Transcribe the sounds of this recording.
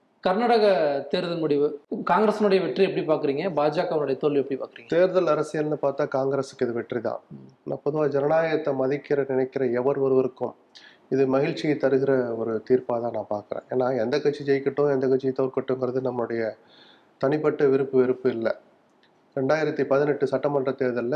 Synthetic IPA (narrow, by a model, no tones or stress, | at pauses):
kɐɾnaːɽɐɣɐt̪eːɾðɐmʊɽɪʋɯkaːŋɡɾeːsɪnʊɽɐjɐʋɛʈriɛpːɐɽipaːɾkɯɾiːŋɡɐbaːd͡ʒaːkɐʋɐnʊɽɐjɐt̪oɭːiɛpːɐɽipaːkɾiːŋɡɐt̪eːɾðɐlɐɾɐsɪjɐlnːɯpaːɾt̪aːkaːŋɡɾeːsɯ̥kːɪðɯʋɛʈrit̪ã̰ːna̰ːpɔðɯʋaːd͡ʒɛnɐnaːjɐt̪ːɐmɐðɪkːɪɾɐnɪnɐɪkːɪɾɐɛʋɐɾʋɐɾɯʋɐɾɯkːɯ̃m | ɪðɯmɐɣɪɻt͡ʃːɪt̪ɐɾɯɣɪɾɐɔɾɯt̪iːɾpaːt̪ãːnãːpaːɾkɯɾḛ̃ːeːnːaːɛnd̪ɐkːɐʈt͡ʃːid͡ʒɛjkːɐʈːʊ̃ɛnd̪ɐkːɐʈt͡ʃːit̪ːɐʋɾkɐʈːɯŋɡɪɾɐðɯnɐmːɐɭɯɽɐjɐ | t̪ɐnɪpːɐʈːɐʋɪɾɯpːɯʋɪɾɯpːɯɪlːɐ | ɾɛɳɖaːjɪɾɐt̪ːipɐðɪnɛʈːɯsɐʈːɐmɐndrɐt̪eːɾðɐlː